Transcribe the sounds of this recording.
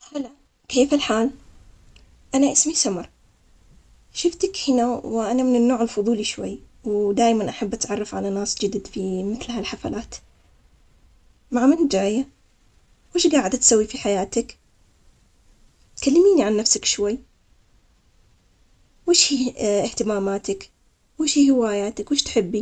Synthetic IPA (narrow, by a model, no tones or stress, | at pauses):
hala | keːfalħaːl | ʔanaʔɪsmisamɑɾˤ | ʃɪft̪akhɪnawʔanamɪnɪnːoːʕɪlfʊðˤuːliʃwa̰jː | wd̪aːjmanʔaħabːʔat̪ʕɑrˤːɑfʕalanaːsd͡ʒɪd̪d̪fimɪθlhalħafa̰laːt̪ | maʕmɪnd͡ʒaːja | wɪːʃɡaːʕɪd̪at̪sawːifiħajaːt̪ak | t̪kalːamiːniʕanːafsakʃwajː | weːʃhiːɪht̪ɪmaːmaːt̪ak | wɪːʃhiːhɪwaːjaːt̪akwɪːʃt̪ħɪbːi